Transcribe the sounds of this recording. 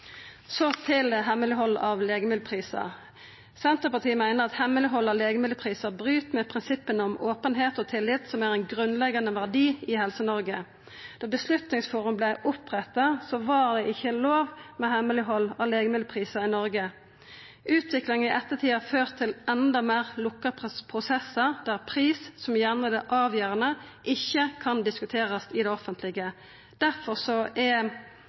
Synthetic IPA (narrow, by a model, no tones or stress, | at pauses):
sot̪ʰɪlɦɛmːəlɪhɔlːɑʋleːɡəmɪd̪pʰʁiːsə̰ʁ | sɛnt̪ʁəpɑʁt̪ʰiːəmæɪnəʁɑt̪hɛməlɪɦɔlːɑleːɡəmɪd̪əpʰʁiːsəʁbʁyːt̪mɛpʰʁɪnsɪpːənəɔmʔoːpənɦeːt̪ɔːt̪ʰɪlːɪt̪sɔmæːʁæɪnɡʁʉnlɛɡɑnəʋæʁd̪iːɪhɛlsənɔʁɡə | d̪̥ɑːbəslʉt̪nɪŋsfuːʁʉmblæɪʔʊpʁɛt̪ːɑsoːʋɑʁd̪ɛʔɪçːəloːʋmɛhɛmːəlɪɦɔlːɑʋleːɡəmɪd̪pʰʁiːsəʁɪnɔʁɡə | ʔʉːt̪ʰʋɪklɪŋnɪʔɛt̪ːət̪ʰiːɑføːʁt̪ʰːɪlɛnd̪ɑmeːʁlʊkːəpʰʁpʰʁʊsɛsːəʁd̪̥æʁpʰʁiːssɔmjæʁnəd̪ɛʔɑːʋjøːʁənəʔɪçːəkʰɑnd̪ɪskʉt̪ʰeːʁɑsɪd̪ɛɔfənt̪lɪɡə | d̪̥æʁfɔʁsɔʔɛ